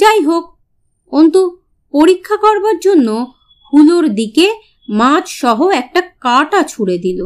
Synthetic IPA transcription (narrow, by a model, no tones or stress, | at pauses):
ajɦok̚ | ont̪u | poɾikʰːakɔɾbaɾd͡ʑonːo | hʰuloɾd̪ike | mãt͡ɕʃɔɦoɛk̚ʈakaʈat͡ɕʰuɽed̪ilo